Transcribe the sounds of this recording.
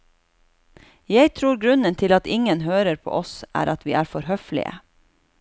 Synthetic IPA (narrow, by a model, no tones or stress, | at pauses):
jæɪt̪ʰɾuːɾɡɾʉnənt̪ʰɪlɑt̪ɪŋənhøːɾəɾpʰo̰ːʔɔsʔæ̰ːɾʔɑt̪ʋḭːʔæːɾfɔɾhœflɪ̰ə̰